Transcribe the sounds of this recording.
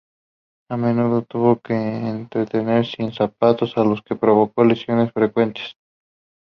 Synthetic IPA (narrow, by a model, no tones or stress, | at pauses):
ame̞nuð̞o̞t̪uβo̞keːnt̪ɾet̪e̞ne̞ɾsinsapat̪o̞salo̞ske̞pɾo̞βo̞ko̞lesjo̞ne̞sfɾe̞kwe̞nt̪e̥s